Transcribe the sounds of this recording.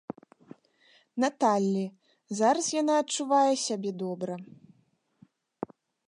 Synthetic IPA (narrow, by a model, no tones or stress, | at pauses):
nat̪alʲːi | zaɾɐsjanaɐt̚t͡ʂuvajɛsʲabʲɛd̪ɔbɾɐ